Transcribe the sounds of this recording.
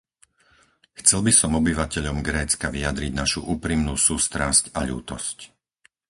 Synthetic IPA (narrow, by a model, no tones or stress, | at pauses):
xt͡sɛlbisɔmɔbiʋacɛʎɔmɡɾɛːt͡skaʋiad̪ɾiɟnaʃṵʔuːpɾimnuːsuːst̪ɾascaʎṵːt̪ɔ̰sc